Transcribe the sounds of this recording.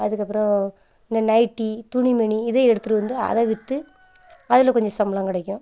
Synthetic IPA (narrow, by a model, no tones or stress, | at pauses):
ɐðɯkːɐpːɯɾɔ̃ | ɪnd̪ɐnɐɪʈːit̪ʊɳimɐɳiɪðeːɛɽɯt̪ːɯʈɯʋɐnd̪ɯɐ̰ðɐ̃ʋɪt̪ːɯ | ɐðɪlɐ̃kɔɲd͡ʒɔsɐmbɐlɐ̃ŋkɪɽɐkʲːʊ̃